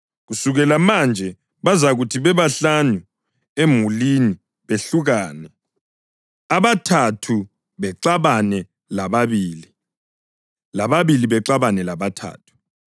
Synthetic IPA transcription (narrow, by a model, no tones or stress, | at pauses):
ɣusuɣɛlamand͡ʒʱɛ | βazaɣutʰiβɛβaɬanu | emulini | βeɬuɣaːnɛ | aβatʰatʰu | βɛǀaβanɛ | laβaβiːli | laβaβiliβɛǃaβanɛlaβatʰa̰ːtʰu̥